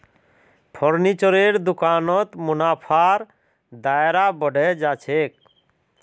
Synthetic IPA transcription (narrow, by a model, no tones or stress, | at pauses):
pʰɔɾnit͡ʃɔɾeɾd̪ukanɔt̪munapʰaɾ | d̪aɾabɔɖɛd͡ʒat͡ʃʰek̚